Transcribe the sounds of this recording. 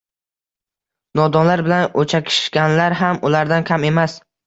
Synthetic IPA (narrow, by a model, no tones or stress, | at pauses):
nɒd̪ɒnlaɾbɪlanot͡ʃʰakʲʰɪ̥ʃʃkʲanlaɾɦamʊlaɾd̪ankʲʰame̞mas